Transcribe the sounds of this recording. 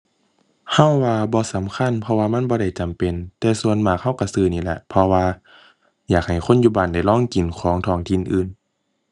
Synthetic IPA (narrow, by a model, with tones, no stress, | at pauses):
ha˧˥˨wːaː˧bɔː˧˦sa˨˦mkʰa˧˥˨npʰɔ˧waː˧ma˧˥˨nbɔː˧ɾa˧˩jt͡ɕa˨mpe˨nt̪ɛː˧su˧˨ənmaː˧˩k̚ha˥˨wka˧˩sɯː˧˩niː˧˩lɛ̰˧˦ʔpʰɔ˧waː˧ | jaː˨˩k̚ha˨˩jkʰo˧˥˨njuː˧˩baː˨nda˧˩jlɔː˧˥˨ŋki˨˩nkʰɔː˨˦ŋt̪ʰɔː˧˩˨ŋt̪ʰi˧˨nʔɯː˧˩n